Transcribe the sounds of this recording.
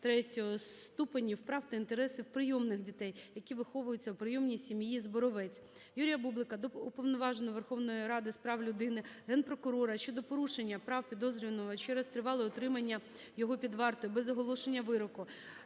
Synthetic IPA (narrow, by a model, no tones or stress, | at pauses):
t̪ɾɛtʲɔɦɔst̪upɐnʲiwpɾɑwt̪ɐint̪eɾɛsɪwpɾɪjɔmnɪxdʲit̪ɛjjɐkʲiʋɪxɔʋʊjʊt͡sʲːɐwpɾɪjɔmnʲisʲimjizbɔɾɔʋɛt͡sʲ | juɾʲijɐbublˠɪkɐd̪ɔupɔʋnɔʋɑʒenɔʋerxɔwnɔjiɾɑd̪ɪspɾɑʋlʲʊd̪ɪnɪɦɛnpɾɔkʊɾɔɾɐʃʲt͡ʃɔd̪ɔpɔɾuʃenʲːɐpɾɑwpʲid̪ɔzɾʲinɔɦɔt͡ʃɛɾɛst̪ɾɪʋɑlˠɪɔt̪ɾɪmɐnʲːɐ | jɔɦɔpʲid̪ʋɑrt̪ɔjʊbɛzɐɦɔlˠɔʃenʲːɐʋɪɾɔkʊ